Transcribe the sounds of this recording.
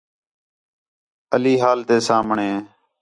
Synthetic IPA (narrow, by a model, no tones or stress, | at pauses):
əliːɦaːlt̪eːsaːmɳeː